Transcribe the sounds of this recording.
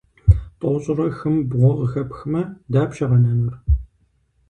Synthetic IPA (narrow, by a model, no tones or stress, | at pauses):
tʼɔwɕʼɪrɐxɨmbʁʷɔʁəxɐpxɨmɐdaːpʃɐʁɐnɐmɨr